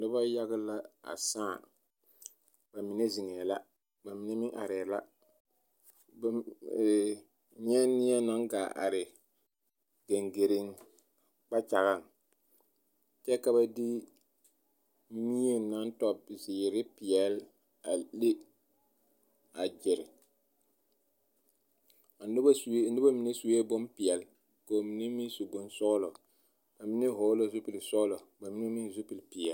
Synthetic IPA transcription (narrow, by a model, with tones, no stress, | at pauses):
nɪ˦ba˦ja˦ɡɪ˦la˦a̰˨sãː˦˨ | ba˨mi˨ne˦zi˨ŋɛː˨la˦ | ba˨mi˨ne˦mɪ˦ŋʔa̰˨ɾɛ˨la˦ | b | ɲɛ˦nɪ˦a˦na˦ŋɡaː˨ʔa̰˨ɾɪ˨ | ɡe˨ŋɡe˨ɾɪ˦ŋ | k͡pa˦t͡ʃa˨ɣa˦˨ŋ | t͡ʃɛ˦ka˦ba˦dɪ˦ | mi˦e˦na˦n˦tɔ˨b̚zɪ˨ɾɪ˦pɪ˨ɛ˨l | a˨le˦ | a˨d͡ʒɪ˨ɾɪ˨ | n˦bsn̩dɪ˦ba˦mi˨ne˦su˨we˦bʊ˦npɪ˨ɛ˨l | ko˨mi˨ne˦mi˦su˨bʊ˦n˦sʊ˦lɔ˨ | b̥a˨mi˦ne˦ɦoː˨˦lo˨zʊ˦pi˨lsɔ˦lɔ˨ba˨mi˦ne˦mi˦˨zʊ˦pi˨lpɪ˨ɛ˨l